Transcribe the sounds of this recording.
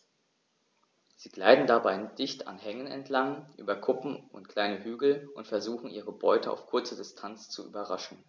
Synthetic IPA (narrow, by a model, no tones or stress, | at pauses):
z̥iːɡ̥laɪdn̩dabaɪd̥ɪçtʰa̰nɦɛŋənɛ̰ntʰlaŋʔy̰ːbɐkʰʊpm̩ʊ̰ntkʰl̥aɪnəhyːɡl̩ʔʊntfɛɐzuːxn̩ʔiːʁəbɔʏtʰəa̰ʊfkʰʊɐt͡sədɪstʰant͡st͡suʔy̰ːbɐʁaʃn̩